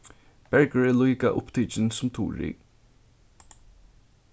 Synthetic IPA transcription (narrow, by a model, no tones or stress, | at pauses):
b̥ɛɹkəɹɛːluːkaʔʊpt̪ʰiːt͡ʃɪnsʊmt̪ʰṵːɹḭ